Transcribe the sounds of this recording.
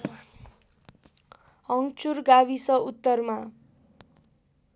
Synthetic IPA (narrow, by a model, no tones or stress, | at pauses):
ɦʌŋt͡surɡaβisʌut̪ːʌrma